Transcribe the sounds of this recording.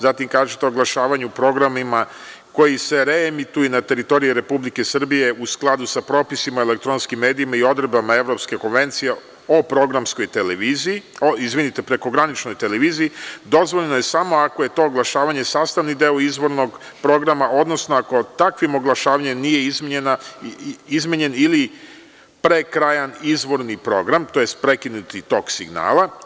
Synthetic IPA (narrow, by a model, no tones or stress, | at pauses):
zat̪imkaːʒet̪e̞oɡlˠaʃaːʋaɲupɾo̞ɡɾamima | ko̞jise̞ɾeemit̪ujunat̪e̞ɾit̪o̞ɾijiɾe̞publike̞sr̩bije̞usklˠad̪usapɾo̞pisimaele̞kt̪ɾo̞nskimːe̞ːd̪iimaio̞d̪ɾebamae̞ʋɾo̞pske̞ko̞nʋe̞nt̪sije̞ | opɾo̞ɡɾamsko̞jt̪eleʋizioizʋinit̪e̞pɾe̞ko̞ɡɾanit͡ʃno̞jt̪e̞le̞ʋiːzijid̪o̞zʋoʎnoje̞samo̞akoje̞t̪o̞ːɡlˠaʃaːʋaɲe̞saːst̪aʋnid̪e̞oizʋo̞ɾno̞ɡ | pɾo̞ɡɾamaʔo̞d̪no̞snoako̞t̪akʋimo̞ɡlˠaʃaːʋaɲemnije̞izna | izmʲeɲe̞nili | pɾekɾajanizʋo̞ɾnipɾo̞ɡɾamt̪o̞jest̪̚pɾekinut̪it̪o̞ːksiɡna̰ːlˠa